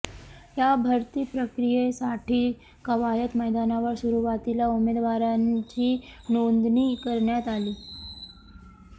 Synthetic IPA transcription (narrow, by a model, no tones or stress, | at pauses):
jabʱəɾt̪iːpɾəkɾijesaʈiː | kəʋajət̪məjd̪anaʋəɾsuɾuʋat̪ilaumed̪ʋaɾat͡ɕiːnond̪niːkəɾɳjat̪aliː